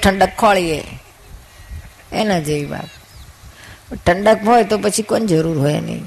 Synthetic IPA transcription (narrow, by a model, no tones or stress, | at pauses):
ʈʰəɳɖəkʰːɔɭiḛ | enad͡ʒeʋiʋa̰t̪ | ʈʰəɳɖəkɦojt̪opət͡ʃʰikond͡ʒəɾuɾɦojḛnḛĩ